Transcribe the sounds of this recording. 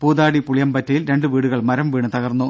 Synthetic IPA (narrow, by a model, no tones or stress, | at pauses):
puːd̪aːɽipuɭijɐmbɐtːɐjilɾe̞ɳɖɨʋiːɽuɣɐɭmɐɾɐmʋiːɳɨt̪ɐɣɐrnːu